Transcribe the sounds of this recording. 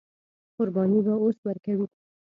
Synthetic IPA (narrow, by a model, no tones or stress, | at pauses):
qʊɾbɑnibaoswəɾkawi